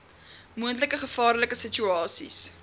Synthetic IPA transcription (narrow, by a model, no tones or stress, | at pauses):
muəntləkəχəfɑːrləkəsət͡ʃyɑːsḭs